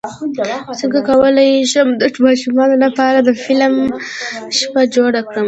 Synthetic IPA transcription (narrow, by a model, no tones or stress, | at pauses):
səŋɡakawəlajiʃəmd̪əmɑʃumɑnolapɑɾad̪əfɪlm | ʃpad͡ʒoɽakɽəm